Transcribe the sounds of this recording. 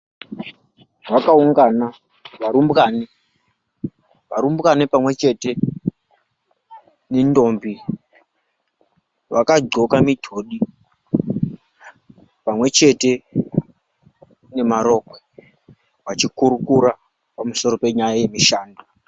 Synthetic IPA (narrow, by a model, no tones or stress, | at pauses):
wakauŋɡana | ʋaɾumbɣani | ʋaɾumbɣanipamwe̞t͡ʃe̞te̞ | nendo̞mbi | ʋakaɡ͡ǀo̞kamidʱo̞ɗi | pamwe̞t͡ʃe̞te̞ | ne̞maɾo̞kwe | ʋat͡ʃikuɾukuɾa | pamuso̞ɾo̞pe̞ɲajaje̞miʃaːndu